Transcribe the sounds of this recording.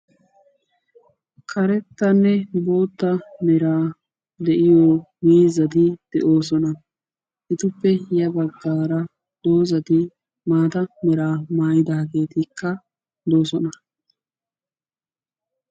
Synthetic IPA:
kʰɐɾɛt̪ːɐnːɛbo̞ːt̪ːɐmɛɾaː | d̪ɛʔɪjoːmiːzɐd̪ɪd̪̥ɛʔo̞ːsɔnɐ | ʔɪt̪ʊpːɛjɐbɐɡːaːɾɐ | d̪̥o̞ːzɐd̪ɪ | maːt̪ɐmɛɾaːmaːjɪd̪aːɡe̞ːt̪ɪkːɐ | d̪o̞ːsɔnɐ

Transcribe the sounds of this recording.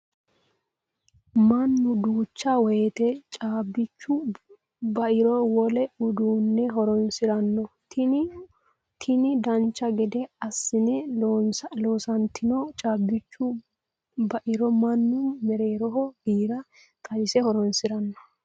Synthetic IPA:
mɐnːʊd̪uːt͡ʃːɐwɔjɛt̪ɛt͡ʃʼaːbːɪt͡ʃːʊ | bɐʔɪɾɔwɔlɛʊd̪uːnːɛɦɔɾɔnsɪɾɐnːɔ | t̪ʰɪnɪd̪ɐnt͡ʃːɐɡɛd̪ɛɐsːɪnɛnloːsɐnt̪ːɪnɔt͡ʃʼaːbːɪt͡ʃːʊ | bɐʔɪɾɔmɐnːʊmɛɾeːɾɔɦɔbiːɾɐ | t̪ʼɐjɪsɛhɔɾɔnsɪɾɐnːɔ

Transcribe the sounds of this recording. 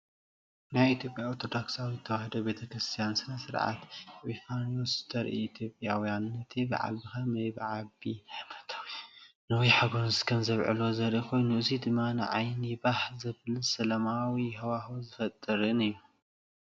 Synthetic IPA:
najit̪ʰjo̞pʼjaoɾt̪ʰo̞d̪oksawizɨt̪ʰɐwahd̪ɐbe̞t̪ʰɐkɾɨst̪ʰijansɨnɐsɨɾʕa̰t̪ʕifanosɨ̥t̪ʰɐɾʔiːt̪ʰjo̞pʼjawjanːɐt̪ʰebɐ̰ʕa̰lbɨxɐmɐjbʕabit̪ʰ | nɨwijħaɡo̞nskʰɐmzɐβʕɨ̰lo̞zɐɾʔikʰo̞jnuʔɨzid̪ɨmːanɨ̰ʕa̰jnibaħzɐβlɨsɐlɐmawihɐwaxuzɨfɐt̪ʼɨɾɨnɨjːu

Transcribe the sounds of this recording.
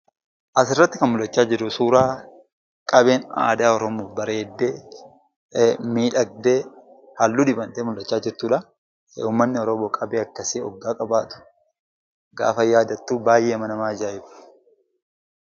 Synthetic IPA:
ʔɐsɪrːɐt̪ːɪkɐnmʊlːɐt͡ʃːaːd͡ʒɪɾːʊsuːɾaː | kʼɐbe̞ːna̰ːd̪aːɔɾɔmoːfbɐɾeːd̪ːeː | miːᶑɐɡ̚d̪eː | hɐlːuːd̪ɪbɐnt̪eːmʊlːɐt͡ʃːaːd͡ʒɪɾt̪uːᶑɐ | uːmːɐnːɪɔɾɔmoːkʼɐbeːɐkːɐsiɔ̰ɡːaːkʼɐbaːt̪ʊ̥ | ɡa̰ːfɐjaːd̪ɐt̪ːuːbaːjʔeːmɐnɐmaːd͡ʒaːɪfʊ̥

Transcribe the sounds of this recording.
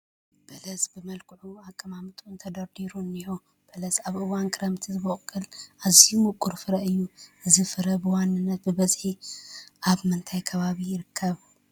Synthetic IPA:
b̥ɐlɐzbɨmɐlkʰʼɨʕuakʼːɐmamɨt̪ʼunt̪ʰɐd̪ɐɾd̪iɾunːiho | b̥ɐlɐzaβʔɨwankʰɨɾɐmt̪ʰizɨβoχʼkʼːɨlʔazimukʼːuɾfɨɾɐɨjːuʔɨzifɨɾɐbɨwanːɨnːɐt̪̚bɨβɐzħiʔaβmɨnt̪ʰajkʰɐβaβijɪɾɨkʰːɐβ

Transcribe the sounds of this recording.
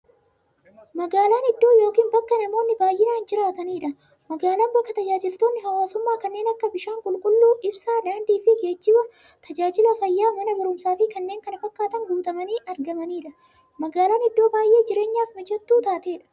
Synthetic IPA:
mɐɡaːlaːnɪd̪ːo̞ːjo̞ːkiːnbɐkːɐnɐmo̞ːnːɪbaːjːɪnaːnd͡ʒɪɾaːt̪ɐniːᶑɐ | mɐɡaːlaːnbɐkːɐt̪ɐd͡ʒaːd͡ʒɪlt̪o̞ːnːɪɦɐwaːsʊmːaːkɐnːe̞ːnɐkːɐbɪʃaːŋkʼʊlkʼʊlːuːʔɪbsaːlaːnd̪iːfɪɡeːd͡ʒːɪbɐ | t̪ʰɐd͡ʒaːd͡ʒɪlɐfɐjːaːmɐnɐbɐɾʊmsaːfɪkɐnːe̞ːŋkɐnɐfɐkːaːt̪ɐŋɡuːt̪ɐmɐniːʔɐɾɡɐmɐniːᶑɐ | mɐɡaːlaːnɪd̪ːo̞ːbaːjʔe̞ːd͡ʒɪɾe̞ːɲːaːfmɐd͡ʒɛt̪ːuːt̪aːt̪e̞ːᶑɐ̥

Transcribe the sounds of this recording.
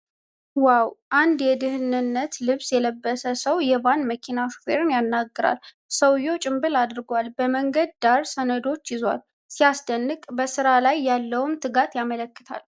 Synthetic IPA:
wawʔand̪jɛd̪ɨhɨnɨnːət̪lɨβsjɛləbːəsəsəwjɛβanməkʰinaʃu̥fḛɾɨnjanːaɡːɨɾa̰l | səwjo̞t͡ʃʼɪmbɨlad̪ɨɾɡwalbəməŋɡəd̪̚d̪aɾsənəd̪o̞t͡ʃːjɪzwa̰l | sijasd̪ənːɨkʼbəsɨɾalajːalːəwmt̪ʰɨɡat̪jamələkːɨ̥t̪ʰa̰l

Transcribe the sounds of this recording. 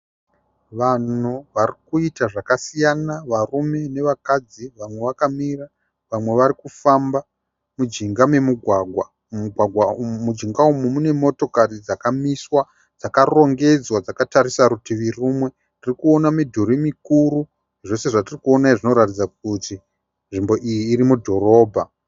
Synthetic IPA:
ʋanuʋarikuitaʐakasijanaʋarume̞ne̞ʋakad͡ziʋamwe̞ʋakamira | ʋamwe̞ʋaɾikufamba | mud͡ʒiŋɡame̞muɡʱwaɡʱwa | ɡʱwaɡʱwamud͡ʒiŋɡaumumune̞mo̞to̞karid͡zakamiswa | d͡zakaro̞ŋɡe̞d͡zwad͡zakataɾisaɾutiʋirumwe̞ | nirikuonamidʱuɾimikuɾu | ʐo̞se̞ʐatirikuonaiʐino̞ɾatid͡zak̚uti | nʐimbo̞ʔijiːɾimudʱo̞ɾo̞ːbʱa

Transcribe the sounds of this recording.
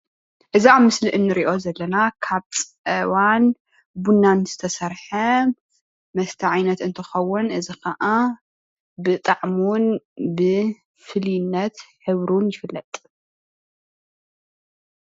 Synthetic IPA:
ʔɨziaβmɨsliʔɨnːɨɾiʔo̞zɐlːɐnakʰaβt͡sʼʔɐwan | bunːanz̥ɨ̥t̪ʰɐsɐɾħɐ | mɐst̪ʰɐʕajnɐt̪ɨnt̪ʰɨxɐwːʊnʔɨzixɐʔa | bɨt̪ʼaʕmunbɨ | fɨljnːɐt̪ħɨβɾunjɪfɨlːɐt̪ʼ

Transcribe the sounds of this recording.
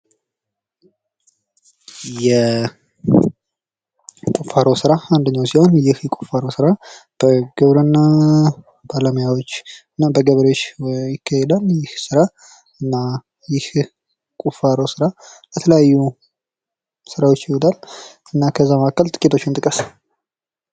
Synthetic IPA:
jɛ | kʼufaɾosɨɾaand̪əɲːawsiho̞njɪhjɛkʷʼu̥faɾosɨɾab̥əɡ̥əβɾənːa | balamjawot͡ʃːɨnːabəɡəβɾewot͡ʃːjɪkʰːahɛd̪ənjɪhsɨɾa | ɨnːa | jɪh | kʼufaɾosɨɾabət̪ʰələjajːu | sɨɾawot͡ʃːjɪwod̪ʰal | ɨnːakʰəzːamakːəlt̪ʼɨ̥kʼit̪ʰo̞t͡ʃːɪnt̪ʼɨkʼəs

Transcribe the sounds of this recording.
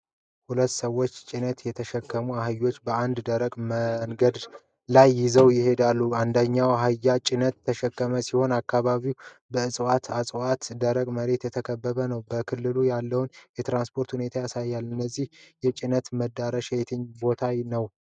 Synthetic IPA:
hulət̪ːsəwːo̞t͡ʃːt͡ʃʼɪnət̪jɛt̪ʰəʃɛkːəmuaɦajo̞t͡ʃːbəand̪d̪əɾəkʼməŋɡəd̪ | lajːɪzəwjɪhe̞d̪alːuand̪əɲːawaɦajːat͡ʃʼɪnət̪ʰːəʃɛkːəməsiho̞nakːaβaβiw | bəɨsʼwat̪asʼwat̪d̪əɾəkʼməɾe̞t̪jɛt̪ʰəkʰəbːəβənəwbəkʰɨlːɨlujalːəwnjɛt̪ɾanspʰo̞ɾt̪hune̞t̪ʰajasajːalːɨnːəzːihjɛt͡ʃʼɪnət̪məd̪aɾəʃjet̪ʰɨɲbo̞t̪ʰajnəw

